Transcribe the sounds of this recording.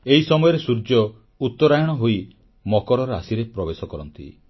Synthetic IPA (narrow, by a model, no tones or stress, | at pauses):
eɦisɔmɔjɔɾesuɾd͡ʒɔ | ut̪ːɔɾajɔɽ̃ɔɦoi | mɔkɔɾɔɾa̰siɾepɾɔbesɔkɔɾɔnt̪ḭ